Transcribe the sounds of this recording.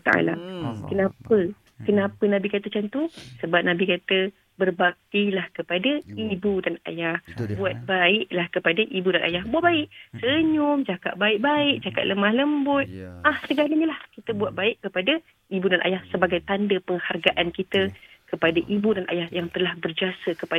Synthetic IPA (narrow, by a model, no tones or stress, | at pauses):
t̪a̰ʔa̰la̰kənapə | kənapənãbikat̪ət͡ʃant̪usəbap̚nãbikat̪ə | bərbak̚t̪ilahkəpadaibudana̰jahbuat̪̚baɪʔlahkəpadaʔibudanʔa̰jahbuat̚baɪʔsəɲʊmd͡ʒaka̰ʔbaɪʔ̚baɪʔt͡ʃaka̰t̪̚ləmahləmbʊt̪̚ahsəɡaləɲəlahkit̪əbuat̪̚baɪʔkːəpada | ibudanʔa̰jahsəbaɡajt̪andəpəŋharɡaʔankit̪əkəpadaʔibudanʔa̰jahjaŋt̪əlahbərd͡ʒiasəkəpa